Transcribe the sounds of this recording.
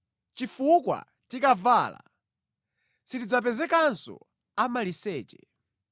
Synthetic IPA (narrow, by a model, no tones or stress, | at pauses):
t͡ʃifukwa̰ | tikavala̰ | sitid͡zap̬ɛzɛkansɔ̰ | amalisɛːt͡ʃɛ̰